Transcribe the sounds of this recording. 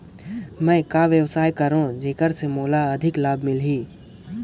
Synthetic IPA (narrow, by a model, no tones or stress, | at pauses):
mɛ̃kaʋjəwsaːjkəɾõd͡ʒeːkəɾsemoːlaəd̪ʱɪklaːbmɪlɦiː